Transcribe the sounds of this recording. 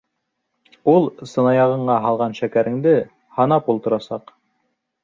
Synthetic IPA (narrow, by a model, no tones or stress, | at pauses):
ulˠsɤ̆nɑjɑʁɤ̆ɴɑɦɑlˠʁɑnʃækæɾɘ̆ŋd̪ɘ | hɑnɑpulˠt̪ɤ̆ɾɑsɑq